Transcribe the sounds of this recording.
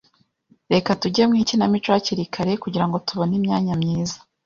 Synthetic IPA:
ɾe̞katuɟe̞mŋiːcinamit͡ʃwoaciɾikʰaɾe̞kuɟiɾaŋɡo̞tuβo̞nimɲaːɲamɲiːzḁ

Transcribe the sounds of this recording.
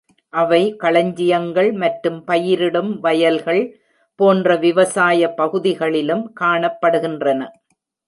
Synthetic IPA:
ʔɐʋɐɪkɐɭɐɲd͡ʒɪjɐŋɡɐɭmɐʈɾɯmpɐjɪɾɪɽɯmʋɐjɐlɣɐɭ | poːndrɐʋɪʋɐsaːjɐpːɐɣɯðɪɣɐɭɪlɯmkaːɳɐpːɐɽɯɣɪndrɐnɐ

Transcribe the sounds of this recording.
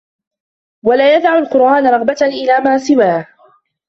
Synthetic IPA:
walaːjad̪ʕamalqʊɾʔaːnɾˤɑɣbat̪aʔɪlaːmaːsɪwaːh

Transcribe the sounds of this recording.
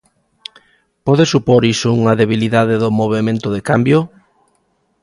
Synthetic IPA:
pɔðɪsupoɾisouŋɐðeβiliðaðeðʊmoβ̞emẽnt̪ʊðekambjo

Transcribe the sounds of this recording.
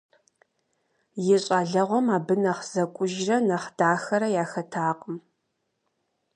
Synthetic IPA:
jɪɕʼaːɮɐʁʷɔmaːbɨnɐχz̥ɐkʷʼʊʒrɐnɐχd̥aːxɐɾɐjaːxɐtʰaːqʼəm

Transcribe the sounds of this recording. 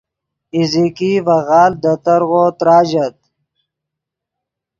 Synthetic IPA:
izikivɐɣaːld̪ət̪əɾɣoːt̪ɾaːd͡ʑɐt̪̚

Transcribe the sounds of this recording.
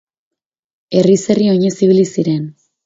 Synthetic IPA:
e̞rise̞rio̞ɲe̞siβ̞ilisiɾe̞n

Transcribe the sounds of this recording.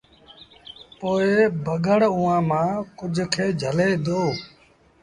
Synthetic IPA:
poːeːbʱəɡəɽʊːãːmãːkʊd͡ʒʱkʰeːd͡ʒʱəleːd̪oː

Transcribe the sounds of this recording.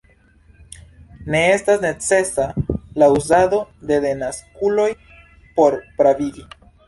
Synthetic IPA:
ne̞estasne̞t͡se̞salauzad̪o̞d̪e̞de̞naskulo̞j | po̞ɾpɾaviɡi

